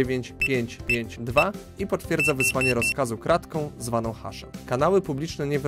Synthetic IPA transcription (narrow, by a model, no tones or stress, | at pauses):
evʲjeɲt͡ɕpʲjeɲt͡ɕpʲjeɲd͡ʑd̪va | ipɔt̪fʲjɛɾd̪zavɘswaɲɛɾɔskazukɾat̪kɔ̃w̃zvan̪ɔ̃w̃xa̰ʂɛ̰mkanawɘpublʲit͡ʂnɛɲɛv